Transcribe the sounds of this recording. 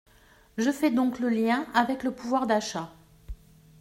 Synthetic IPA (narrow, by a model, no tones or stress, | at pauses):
ʒəfɛd̪ɔ̃kləljɛ̃avɛkləpuvwaʁd̪aʃa